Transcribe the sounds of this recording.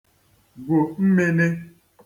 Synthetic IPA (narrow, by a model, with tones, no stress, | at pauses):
ɡo˨m̩˦me˦ne˦